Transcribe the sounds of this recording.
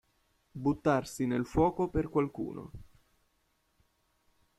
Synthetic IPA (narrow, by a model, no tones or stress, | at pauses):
but̪ːarsinelfwɔːkoperkwalkṵːnʔo̰